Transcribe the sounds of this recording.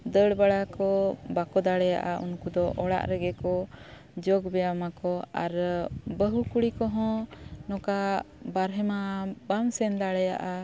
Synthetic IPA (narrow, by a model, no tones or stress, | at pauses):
d̪əɽbaɽakɔbakɔd̪aɽɛja̰ʔaunkud̪ɔʔɔɽa̰ʔɾɛɡɛkɔ | d͡ʒɔɡbɛjamakɔa̰ɾbəɦukuɽikɔɦɔ̃nɔka | baɾɦɛmabamsɛnd̪aɽɛja̰ʔa